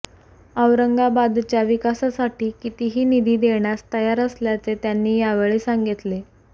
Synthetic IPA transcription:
əʋɾəŋɡabad̪t͡ɕjaʋikasasaʈiːkit̪iɦiːnid̪ʱiːd̪eɳjast̪əjaɾəsljat͡set̪janːiːjaʋeɭiːsaŋɡit̪le

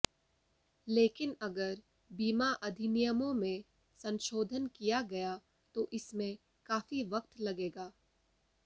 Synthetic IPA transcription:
leːkɪnɐɡəɾ | biːmaʔɐd̪ʱɪnɪjəmõmẽ | sɐ̃ŋʃoːd̪ʱənkijaɡɐja | t̪oʔɪsmẽ | kaːfiʋɐk̚t̪lɐɡeːɡaː

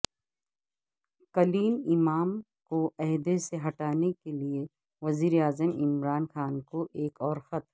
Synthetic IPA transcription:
kɐliːmɪmaːm | koʔɛɦd̪eseɦɐʈaːnekelie | ʋɐziːɾeaːzəmɪmɾaːnxaːnkoʔeːkɔːɾxɐt̪

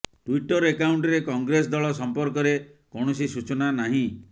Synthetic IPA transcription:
ʈwiʈɔɾekawɳʈɔɾekɔŋɡɾes̬d̪ɔɭɔsɔmpɔɾkɔɾekɔɽ̃ɔsisut͡ʃɔnanaɦĩ

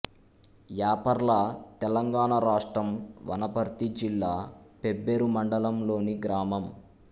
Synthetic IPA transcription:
jaːpɐɾlɐt̪ɛlɐŋɡaːɳɐɾaːʂʈɾɐmʋɐ̰nɐpɐɾt̪id͡ʒilːaːpebːeɾumɐɳɖɐlɐmlo̞ːniɡɾaːmɐm

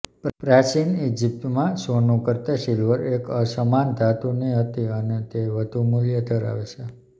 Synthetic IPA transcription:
ppɾat͡ʃinid͡ʒip̚t̪mãsonukəɾt̪aʃilʋəɾekəsəmand̪ʱat̪uniɦət̪iənet̪eʋəd̪ʱumuljəd̪ʱəɾa̰ʋet͡ʃʰe

